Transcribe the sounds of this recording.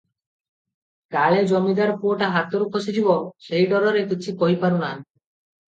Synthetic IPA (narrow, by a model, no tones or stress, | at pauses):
kaɭed͡ʑɔmid̪aɾpuoʈaɦat̪oɾukʰosed͡ʑibɔʃejʈɔɾɔɾekit͡ɕʰipoɦipaɾunan